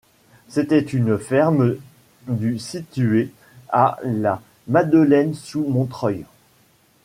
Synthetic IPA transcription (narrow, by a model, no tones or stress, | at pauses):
set̪ɛt̪ynfɛʁm | d̪ysit̪ye | a̰la | mad̪əlɛnsumɔ̃t̪χœj